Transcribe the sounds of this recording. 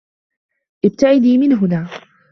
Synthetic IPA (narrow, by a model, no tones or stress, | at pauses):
ʔɪb̚t̪aʕɪd̪iːmɪnɦʊnaː